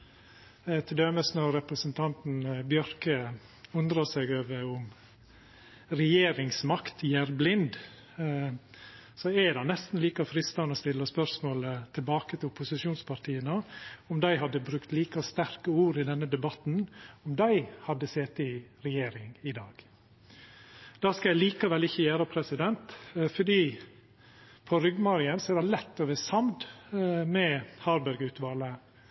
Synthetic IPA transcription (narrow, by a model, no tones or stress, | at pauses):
t̪ʰɪld̪øːməsnɔɾɾɛpɾəsənt̪ʰɑnt̪n̩bjœɾkə | ʊnd̪ɾəsɛɡøːʋəɾʊm | ɾɛjeːɾɪŋsmɑkt̪jæɾblɪnd̪ | sɔɛd̪ɑnɛst̪n̩liːkɑfɾɪst̪ɑnɔst̪ɪlːəspœɾsmoːlət̪ʰɪlbɑːkət̪ʰɪlʊpʊsɪʃuːnspʰɑɾʈ̪ʰiːənəɔmd̪æɪɦɑd̪ːəbɾʉkt̪liːkəst̪æɾkəuːɾɪd̪ɛnːəd̪ɛbɑt̪n̩ɔmd̪æɪhɑd̪ːəseːt̪ɪɾɛjeːɾɪŋɪd̪ɑːɡ̥ | d̪̥ɑːskɑjæɪliːkɑʋɛlɪçːəjæːɾəpʰɾɛsɪd̪ɛnt̪fɔɖiː | pʰɔɾʏɡmɑɾɪənsɔɛd̪ælɛt̪ːɔʋəsɑmd̪mɛhɑɾbæɾɡʉːt̪ʰʋɑːlə